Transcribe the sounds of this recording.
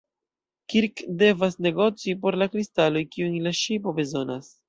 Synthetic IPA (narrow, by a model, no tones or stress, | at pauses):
kiɾkde̞vasne̞ɡo̞t͡sipo̞ɾlakɾistalo̞jkiunlaʃipo̞be̞zo̞nas